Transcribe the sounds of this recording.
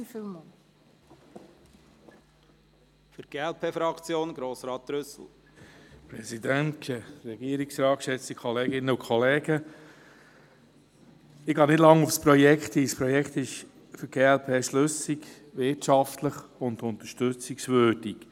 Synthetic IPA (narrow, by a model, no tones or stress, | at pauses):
fylmɔ | fəɾɡ̥eːɛlpʰeːfɾɑkt͡sjoːnɡ̥ɾoːsɾɑːt̪̚ɾʏsl̩ | pɾɛsid̪æntkʰɛɾɛɡiəɾiksɾɑːkʃɛt͡stikʰɔleːɡɪnːəʊkʰɔleːɡə | ɪɡɑːnɪdlɑŋufspɾɔjɛkχt̪ispɾɔjɛkχt̪ɪʃ | fʏɾɡ̥eːɛlpʰeːʃlʏsiɡ | ʋɪtʃɑft̪ləχʊnd̪ʊnt̪ə̥ʃtʏt͡siksvøːd̥ik